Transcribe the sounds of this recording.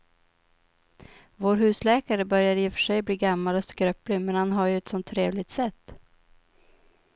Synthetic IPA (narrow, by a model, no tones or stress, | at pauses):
voːɾɦʉ̟ːslɛːkaɾəbœɾjad̪ɪːfœ̥ʂɛjbliːɡamːalɔskɾœplɪmɛnhanɦaɾjɵɛt̪sɔnt̪ʰːɾeːvlɪɡ̚t̪sɛt̪ː